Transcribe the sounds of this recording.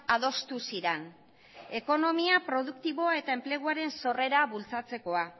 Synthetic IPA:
að̞o̞st̪usiɾen | e̞ko̞no̞miapɾo̞ðukt̪iβo̞ae̞t̪aemple̞ɣ̞uaɾe̞nso̞re̞ɾaβult͡sat͡se̞ko̞a

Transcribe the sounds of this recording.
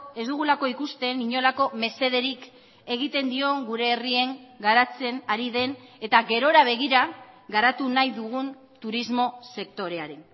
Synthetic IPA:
e̞zd̪uɣ̞ulako̞ikust̪e̞niɲo̞lako̞me̞se̞ð̞e̞ɾik | e̞ɣit̪e̞nd̪io̞ŋɡuɾe̞ːrie̞ŋɡaɾat͡se̞naɾiðe̞ne̞t̪aɣe̞ɾo̞ɾaβ̞e̞ɣ̞iɾaɣaɾat̪unajðuɣun | t̪uɾizmo̞se̞kt̪o̞ɾe̞aɾen

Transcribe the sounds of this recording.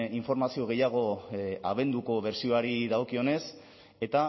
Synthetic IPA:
iɱfo̞ɾmasio̞ɣ̞e̞jaɣ̞o̞aβ̞e̞nd̪uko̞βe̞ɾsio̞aɾiðaokio̞ne̞s | e̞t̪a

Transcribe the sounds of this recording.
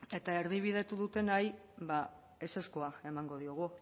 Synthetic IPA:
e̞t̪ae̞ɾðiβ̞ið̞e̞t̪uðut̪e̞naj | βa | e̞se̞skoae̞maŋɡo̞ð̞ioɣ̞u

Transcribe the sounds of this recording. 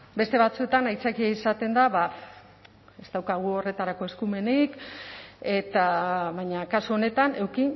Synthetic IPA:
be̞st̪e̞βat͡sue̞t̪anajt͡sakiaisat̪e̞nd̪aβa | e̞zt̪awkaɣ̞uo̞re̞t̪aɾako̞e̞skume̞nik | e̞t̪aβajɲakasuo̞ne̞t̪ane̞wki

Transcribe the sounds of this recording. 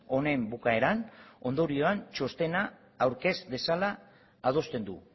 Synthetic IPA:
o̞ne̞mbukae̞ɾano̞nd̪o̞ɾio̞ant͡ʃo̞st̪e̞naː | wɾke̞sde̞salaː | ð̞o̞st̪e̞nd̪u

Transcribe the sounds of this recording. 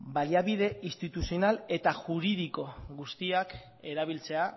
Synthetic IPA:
baliaβiðe̞ist̪it̪usio̞nale̞t̪aʝuɾiðiko̞ɡust̪iak | e̞ɾaβ̞ilt͡se̞a

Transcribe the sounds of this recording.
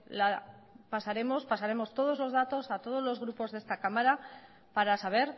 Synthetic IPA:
lapasaɾe̞mo̞spasaɾe̞mo̞st̪o̞ð̞o̞zlo̞zðat̪o̞sat̪o̞ð̞o̞zlo̞zɣɾupo̞zðe̞st̪akamaɾa | paɾasaβ̞e̞ɾ

